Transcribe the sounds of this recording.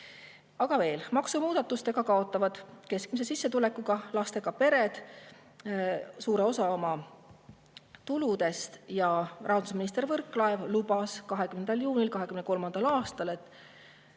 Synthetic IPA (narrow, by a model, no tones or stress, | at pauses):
ɑɡ̥ɑve̞ːlmɑksumuːd̪ɑt̪ːˑust̪e̞ɡ̥ɑkɑo̞t̪ːˑɑvɑd̪̥ke̞sk̚mis̬e̞sisːe̞t̪ule̞kːuɡ̥ɑlɑst̪e̞ɡ̥ɑpe̞ɾe̞d̪̥ | suːɾe̞o̞sɑo̞mɑ | t̪ulud̪e̞st̪jɑrɑɦɑd̪us̬minist̪e̞ɾvɤrkːˑlɑevlubɑskɑɦe̞kymnend̪ɑljuːnʲilkɑɦe̞kymneko̞lmɑnd̪̥ɑlɑːst̪ɑle̞t̪ːˑ